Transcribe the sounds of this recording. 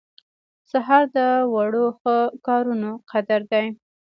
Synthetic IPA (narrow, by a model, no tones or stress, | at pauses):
saɦɑɾd̪əwaɽoxəkɑɾunoqʰad̪aɾd̪aj